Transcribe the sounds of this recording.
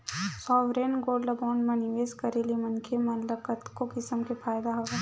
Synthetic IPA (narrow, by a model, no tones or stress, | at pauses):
sɔːʋɾeːnɡoːlɐbaːɳɖmẽniʋeːskɐɾeliemɐnkʰemɐnləkət̪kokɪsəmkepʰaːjd̪aɦoɡe